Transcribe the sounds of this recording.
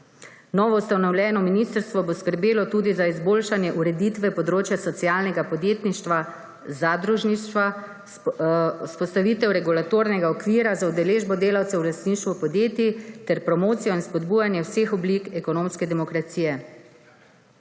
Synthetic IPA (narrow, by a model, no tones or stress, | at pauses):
nɔʋɔwst̪anɔwlʲjɛːnɔminiːst̪əɾst̪ʋɔboskəɾbeːlɔt̪uːd̪izaizboːlʃanjɛʔuɾɛd̪iːt̪ʋɛpɔd̪ɾoːt͡ʃjasɔt̪sijaːlnɛɡapɔd̪jeːt̪niʃt̪ʋa | zad̪ɾuʒniʃʋa | uspɔst̪aʋiːt̪ɛwɾɛɡulat̪oːɾnɛɡaɔkʋiːɾazaud̪ɛleːʒbɔd̪eːlawt̪sɛwlast̪niːʃt̪ʋupɔd̪jeːt̪jit̪ɛɾpɾɔmoːt̪sijɔinspɔd̪buːjanjɛwseːxɔbliːkɛkɔnoːmskɛd̪ɛmɔkɾat̪siːjɛ